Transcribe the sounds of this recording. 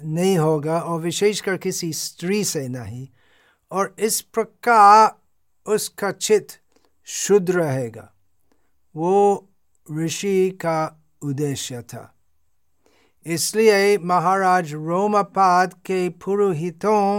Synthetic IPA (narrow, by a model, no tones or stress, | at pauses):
nɐɦĩɦoːɡaɔːɾʋɪʃeːʃkɐɾkɪsist̪ɾisenɐɦĩ | ɔːɾɪspɾɐkaːɾ | ʊskat͡ʃʰɪt̪ | ʃʊd̪ʱɾɐɦeːɡa̰ː | ʋoː | ɾɪʃika | ʊd̪eːʃjət̪ʰa̰ː | ɪsliemɐɦaːɾaːd͡ʒɾoːmapaːd̪kepʊɾuɦɪt̪õ